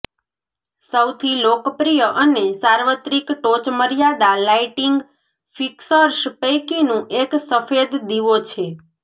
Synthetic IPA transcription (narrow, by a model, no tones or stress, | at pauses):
səwt̪ʰilokpɾijəʔənesaɾʋət̪ɾikʈot͡ʃməɾjad̪alaiʈiŋɡ | fiksəɾʃpəjkinũʔeksəfed̪d̪iʋot͡ʃʰe